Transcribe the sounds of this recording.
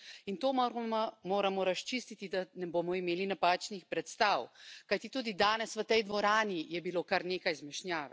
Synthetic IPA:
int̪oːmoːɾamɔɾaʃt͡ʃist̪it̪id̪anɛboːmɔimeːlinapaːt͡ʃnixpɾɛt̪st̪aːwkajt̪it̪uːd̪id̪aːnɛsʋət̪ɛjd̪ʋɔɾaːnijɛbiloːkaɾneːkajzmɛʃnjaːʋ

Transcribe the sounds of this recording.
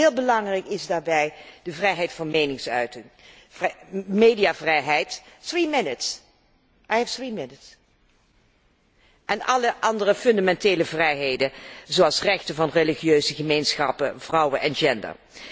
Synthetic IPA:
ɪːlˠbəlɑŋrɛjkɪzdaːɹbɛjdəvrɛjɦɛjtfɑnmejnɪŋsœɥtɪŋ | mejdijaːvrɛjɦɛjtθɹimɪnɪts | ʔajɛfθɹimɪnəts | ʔɛnɑləʔɑndərəfɵndamɛnteːləvrɛjɦejdəzoɑlˠsrɛχtəvɑnreliχiøɥzəχəmejnsχɑ̰pəvrɑwəʔɛnd͡ʒɛndə̰ɹ

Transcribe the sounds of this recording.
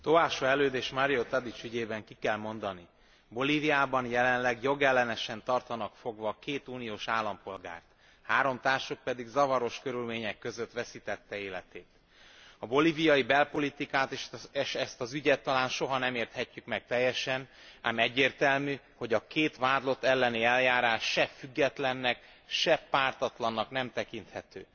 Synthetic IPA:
t̪oaːʃoɛløːd̪eːʃmaɾijot̪ɒd̪it͡ʃyɟeːbɛŋkikɛlmo̞nd̪ɒni | bo̞liːviaːbɒnjɛlɛnlɛɡjo̞ɡɛlːɛnɛʃɛnt̪ɒrt̪ɒnɒkfo̞ɡvɒːkeːt̪uːnijoːʃaːlːɒmpo̞lɡa̰ːrt̪ | haːɾo̞mt̪aːrʃok̚pɛd̪iɡzɒvɒɾo̞ʃkø̞ɾylmeːɲɛkːø̞zøt̪ʋɛsit̪ɛt̪ːɛeːlɛt̪eːt̪ | ɒbo̞livijɒjibɛlpo̞lit̪ikaːt̪eʃʃɛst̪ɒzyɟɛt̪ːɒlaːnʃo̞ɦɒnɛmeːrt̪hɛcːykmɛk̚t̪ɛjːɛʃɛnaːmɛɟːeːrt̪ɛlmy | ho̞ɟɒkeːt̪ʋaːd̪lo̞t̪ːɛlːɛniɛljaːɾaːʃːɛfyɡːɛt̪lɛnːɛk | ʃɛpaːrt̪ɒt̪lɒnːɒknɛmt̪ɛkint̪hɛt̪ø̰ː

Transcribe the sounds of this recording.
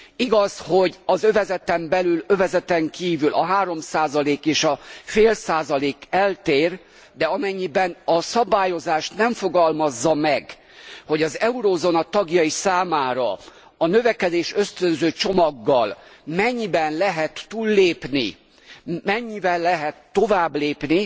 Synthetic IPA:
iɡɒsho̞ɟɒzø̞vɛzɛt̪ɛmbɛlylø̞vɛzɛt̪ɛŋkiːvylʔɒɦaːɾo̞msaːzɒleːkeːʃɒfeːlsaːzɒleːkɛlt̪eːr | d̪ɛɒmɛɲːibɛnɒsɒbaːjo̞zaːʃt̪nɛɱfoɡɒlmɒzːɒmɛɡ | ho̞ɟɒzɛuɾoːzonɒt̪ɒɡjɒisaːmaːɾɒ̰ | ɒnøvɛkɛd̪eːʃø̞st̪ønzøːt͡ʃo̞mɒɡːɒlmɛɲːibɛnlɛɦɛt̪ːuːlːeːpnḭ | mɛɲːivɛlːɛɦɛt̪ːo̞vaːbleːpni

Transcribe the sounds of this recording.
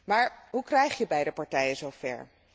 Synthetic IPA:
maːɹɦukrɛjχjəbɛjdəpɑɹtɛjəzowfɛ̰ɹ

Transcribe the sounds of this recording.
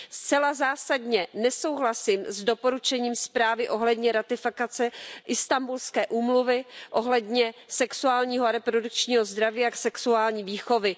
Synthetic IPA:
st͡sɛlazaːsadɲɛnɛso̞wɦlasɪmzdo̞po̞ɾut͡ʃɛɲiːmspɾaːvɪʔo̞ɦlɛdɲɛɾat̪ɪfɪkat͡sɛʔɪst̪ambulskɛːʔuːmluvɪʔo̞ɦlɛdɲɛsɛksuaːlɲiːɦoaɾɛpɾo̞duk̚t͡ʃɲiːɦo̞zd̪ɾaviːaksɛksuaːlɲiːviːxo̞vɪ

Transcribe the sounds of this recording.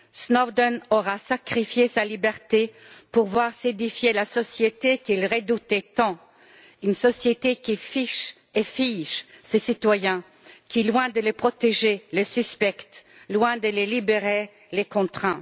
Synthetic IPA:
snɔd̪ɔnɔʁasakχifjesalibɛʁt̪e | puʁvwaʁsed̪ifjelasɔsjet̪ekilʁed̪ut̪et̪ɑ̃ | ynsɔsjet̪ekʲifiʃ | efiʒsesit̪wajɛ̃ | kʰʲilwɛ̃d̪ələpχɔt̪eʒeləsyspɛkt̪ | lwɛ̃d̪əlelibeʁe | lekɔ̃t̪χɛ̃

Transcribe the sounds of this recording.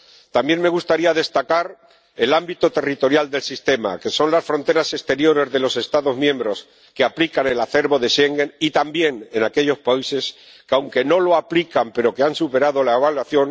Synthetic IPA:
t̪ambjenme̞ɣust̪aɾiaðe̞st̪akaɾ | elambit̪o̞t̪e̞rit̪o̞ɾjald̪e̞lsist̪e̞ma̰ke̞so̞nlasfɾo̞nt̪eɾase̞st̪e̞ɾjo̞ɾe̞zðe̞lo̞se̞st̪aðo̞zmjẽ̞mbɾo̞s | keaplikane̞laθe̞ɾβo̞ðe̞ʃe̞ŋɡe̞nit̪ambje̞ne̞nake̞ʎo̞spaise̞s | kawŋke̞no̞lo̞aplikampe̞ɾo̞ke̞ansupe̞ɾaðo̞laeβ̞alwaθjo̞n

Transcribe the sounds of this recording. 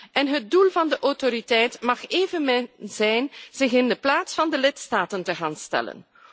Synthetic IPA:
ʔɛnɦət̚dulˠvɑndəʔɔwtoɾitɛjtmɑχeːvənmzɛjnz̥ɪxɪndəplaːtsfɑndəlɪtstaːtəntəɣaːnstɛ̰lə̰n

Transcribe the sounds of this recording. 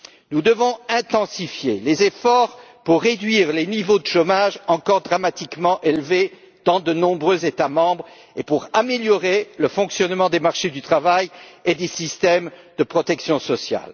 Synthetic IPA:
nud̪əvɔ̃ɛ̃t̪ɑ̃sifjelezefɔʁpuʁːed̪ɥiʁlenivod̪əʃomaʒɑ̃kɔʁd̪ʁamat̪ikmɑ̃ʔelve | d̪̥ɑ̃d̪ənɔ̃bʁøzet̪amɑ̃bʁ | epuʁameljɔʁeləfɔ̃ksjɔnmɑ̃d̪emaʁʃed̪yt̪χavajed̪esist̪ɛmd̪əpχɔt̪ɛksjɔ̃sɔsja̰l

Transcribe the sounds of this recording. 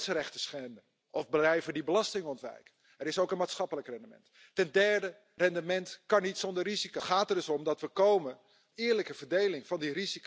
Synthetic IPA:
sərɛχtəsχɛndə | ʔɔfbəlɛjvədibəlɑstɪŋɔntʋɛ̰jkə | ɛɾɪsowkənmaːtsχɑpələkrɛndəmɛ̰ntː | ɛndɛɹdə | rɛndəmɛntkɑnitsɔndərizikoχaːtərdɵsɔmdɑtʋəkowmən | ɪːɹləkəv̥əɹdejlɪŋvɑndirizik

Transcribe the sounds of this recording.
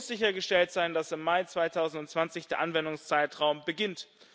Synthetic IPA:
sz̥ɪçɐɡəʃtɛltz̥aɪndasɪmːaɪt͡sv̥aɪtʰaʊzn̩tʊntt͡sv̥ant͡sɪçd̥eːɐʔanvɛndʊŋst͡saɪtʁaʊmbəɡɪnt

